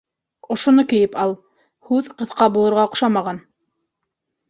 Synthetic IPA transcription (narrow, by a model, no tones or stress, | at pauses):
ŏʃŏnɤkɘ̆jɘpɑlˠ | hʉðqɤ̆θqɑbulˠɤ̆ɾʁɑŏqʃɑmɑʁɑn